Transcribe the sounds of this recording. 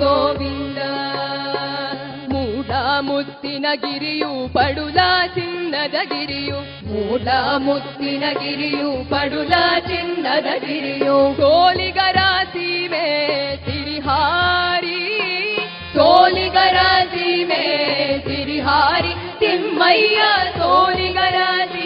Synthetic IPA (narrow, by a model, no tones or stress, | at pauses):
soːʋind̪ɐ | muːlaːmut̪ːinɐɡiɾijupɐɽulaːt͡ʃinːɐd̪ɐɡiɾiju | muːlamut̪ːinɐɡiɾijupɐɽulaːt͡ʃinːɐd̪ɐɡiɾijusoːliɡɐɾaːsimet̪iɾiɦaːɾi | soːliɡɐɾaːd͡ʒimeːt̪iɾiɦaːɾi | t̪immɐjjɐsoːliɡɐɾaːsi